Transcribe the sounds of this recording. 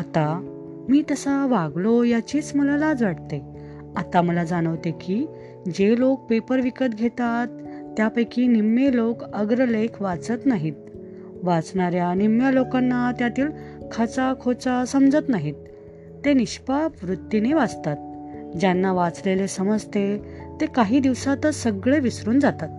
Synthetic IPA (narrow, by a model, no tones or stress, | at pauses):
at̪a | miːt̪əsaʋaɡlojat͡ɕiːt͡sməlalad͡zʋaʈ̚t̪e | at̪aməlad͡zaɽ̃əʋt̪ekiː | d͡ʑelok̚pepəɾʋikət̪ɡʱet̪at̪ːjapəjkinimːelokəɡɾəlekʰʋat͡sət̪naɦit̪ | ʋat͡sɳaɾjanimjalokanːat̪jat̪iːlkʰat͡sakʰot͡sasəmd͡zət̪naɦit̪̚ː | eniɕpaʋɾut̪ːjineʋad͡zt̪at̪̚d͡ʑjanːaʋat͡slelesəməd͡zt̪et̪ekaɦiːd̪iʋsat̪əsəɡɭeʋisɾuːnd͡zat̪at̪̚